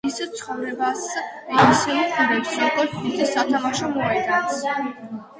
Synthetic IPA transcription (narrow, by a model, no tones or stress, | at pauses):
isɛt̪sʰχɔvɾɛbasiisɛlikʰud̪ɛpsɔkʼɔɾt̪ʰit̪ʰisat̪ʰamaʃɔmɔɛd̪ans